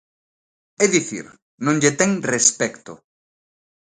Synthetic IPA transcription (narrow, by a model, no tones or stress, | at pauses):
ɛðiθḭɾ | nõŋʎet̪ɛŋrespɛkt̪ʊ̰